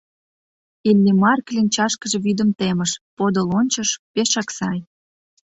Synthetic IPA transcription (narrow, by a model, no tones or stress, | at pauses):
ilʲːimɑrklʲinʲt͡ɕɑʃkə̆ʒeβyd̪ə̆mt̪emə̆ʃpod̪olonʲt͡ɕə̆ʃpeʃɑksɑj